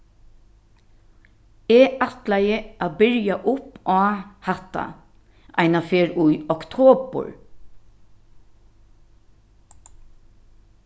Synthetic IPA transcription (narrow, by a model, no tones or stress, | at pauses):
eːʔɑt̪læɪəʔɑːbʏɹjɑʔʊpʔɑːhɑt̪ɑ̰ | ʔæ̰ɪnɑfeːɹʉjɔkt̪ʰoːbə̰ɹ